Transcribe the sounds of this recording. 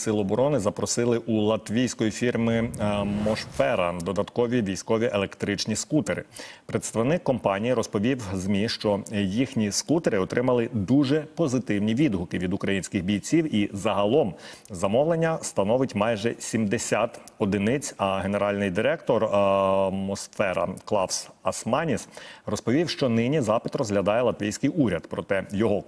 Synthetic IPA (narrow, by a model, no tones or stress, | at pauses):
sɪlˠɔɔbɔɾɔnɪzɐpɾɔsɪlˠɪʔulˠɐt̪ʋʲijsʲkɔjifʲirmɪmɔʃfɛɾɐd̪ɔd̪ɐt̪kɔʋʲiʋʲijsʲkɔʋʲiʔelˠekt̪ɾɪt͡ʃnʲiskut̪eɾɪ̰pɾet̪st̪ɐʋnɪkːɔmpɑnʲijiɾɔspɔʋʲiwzmʲiʃt͡ʃɔjixnʲiskut̪eɾɪɔt̪ɾʔɪmɐlˠɪd̪uʒɛpɔzɪt̪ɪwnʲiʋʲid̪ɦʊkɪʋʲid̪ʊkɾɐjinʲsʲkɪɣbʲijt͡sʲiwizɐɦɐlˠɔmzɐmɔʋlenʲːɐst̪ɐnɔʋɪtʲmɑjʒɛsʲimd̪esʲat̪ɔd̪ɪnɪt͡sʲɐɦeneɾɑlʲnɪjd̪ɪɾɛk̚t̪ɔrɐmɔsfɛɾɐ̰klˠɑwsɐsmɑnʲisrɔspɔʋʲiwʃt͡ʃɔnɪnʲizɑpɪt̪rɔzɦlʲɐd̪ɑjɛlˠɐt̪ʋʲijsʲkɪjʔuɾʲɐd̪pɾɔt̪ɛjɔɦɔ